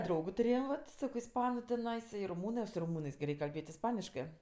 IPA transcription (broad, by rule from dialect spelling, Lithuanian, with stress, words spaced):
ˈdrɐʊɡʊ tʊˈrʲeːjɛm ʋɐt ˈsɑːkoː ɪsˈpɑːnʊ tʲɪˈnɐɪs ɪ rʊˈmuːnɜs sʊ rʊˈmuːnɜs ɡʲɪ ˈrʲɛɪkʲ kɐlʲˈbʲeːtʲ ɪsˈpɑːnʲɪʃkɜ